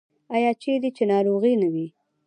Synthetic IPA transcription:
ajɑt͡ʃed̪it͡ʃenɑɾoɣinawi

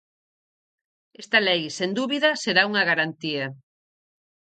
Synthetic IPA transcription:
est̪ɐlɛjsend̪uβiðɐseɾauŋɐɣaɾant̪iɐ

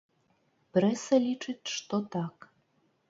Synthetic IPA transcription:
pɾɛsɐlʲit͡ʂɨt͡sʲʂt̪ɔt̪ɑk

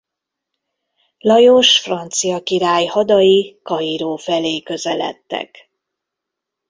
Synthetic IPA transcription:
lɒjoʃfrɒnt̪sijɒkiɾaːjhɒd̪ɒjikɒiɾoːfɛleːkø̞zɛlɛ̰t̪ːɛ̰k

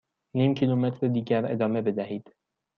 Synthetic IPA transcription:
niːmcʰiːlumet̪ʰɾed̪iːɟæɾḛd̪ɒːme̞be̞d̪æhiːd̪̥

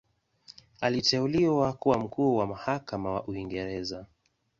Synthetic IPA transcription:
alitʰɛuliwakuwam̩kuːwamahakamawa̰ʔuiŋɡɛɾɛza

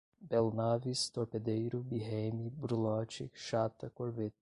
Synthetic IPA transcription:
bɛlnavist̪oɾped̪ejɾʊbiɦemibɾulɔt͡ʃḭkʃat̪ɐkoɾvet̪

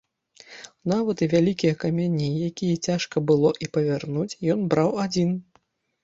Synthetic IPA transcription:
navɐt̪ɨvʲalʲikʲijɐkamʲanʲːijakʲijɐt͡sʲaʂkɐbɨlˠɔʔipɐvʲarnut͡sʲjɔnbɾawad͡zʲin

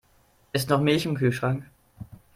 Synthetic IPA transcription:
ʔɪstnɔχmɪlçɪmkʰyːlʃʁ̥aŋk

